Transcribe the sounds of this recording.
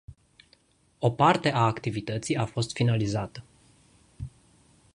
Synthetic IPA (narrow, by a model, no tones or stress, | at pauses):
o̞part̪e̞ʔaːkt̪ivit̪ət̪siafo̞st̪finalizat̪ə